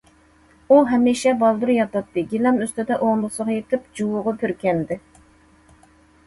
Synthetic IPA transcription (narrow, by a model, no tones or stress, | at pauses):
uɦɛmiʃɛbɑlˠd̪uɾjɑt̪ɑt̪ːɨɡʲilɛmøst̪ɪd̪ɛʔoŋlˠɨsəʁɑjet̪ʰɪp̚d͡ʒuwʊʁɑpʰøɾkʲɛnd̪ɪ